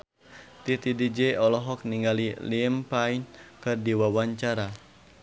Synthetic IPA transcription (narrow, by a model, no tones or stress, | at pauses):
t̪it̪idid͡ʒɛɔlɔɦɔk̚niŋɡalilimpainkɨrdiwawaɲt͡ʃaɾa